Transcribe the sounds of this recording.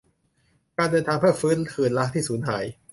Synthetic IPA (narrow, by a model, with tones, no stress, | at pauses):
kaː˧ndɤː˧nt̪ʰaː˧ŋpʰɯ˥˩ɐfɯː˦˥nkʰɯː˨˩nla˦˥k̚t̪ʰiː˥˩suː˩˦nɦa̰ː˩˦j